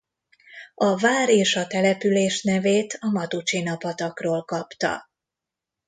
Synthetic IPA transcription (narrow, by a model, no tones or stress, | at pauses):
ɒvaːɾeːʃɒt̪ɛlɛpyleːʃnɛveːt̪ʰɒmɒt̪ut͡ʃinɒpɒt̪ɒkroːlkɒpt̪ɒ̰